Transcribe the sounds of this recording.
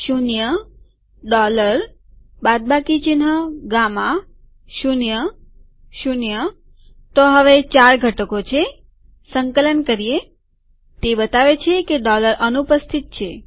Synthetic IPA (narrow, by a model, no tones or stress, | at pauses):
ʃunjə | ɖɔləɾbad̪̚bakit͡ʃinɦəɡamã | ʃunjə | ʃunjə | t̪oɦəʋet͡ʃaɾɡʱəʈəkot͡ʃʰe | səŋkələnkəɾije | t̪ebət̪aʋet͡ʃʰekeɖɔləɾʔənupəst̪ʰit̪̚t͡ʃʰe